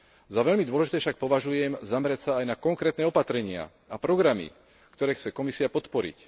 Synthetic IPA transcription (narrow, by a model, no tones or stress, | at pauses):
zaʋɛʎmid̪ʊɔlɛʒit̪ɛːfʃak̚pɔʋaʒujɛmzamɾacsaːjnakɔŋkɾɛːt̪nɛːɔpat̪ɾɛɲɪa̰ | apɾɔɡɾamḭ | kt̪ɔɾɛːxt͡sɛkɔmisiapɔt̪pɔɾḭc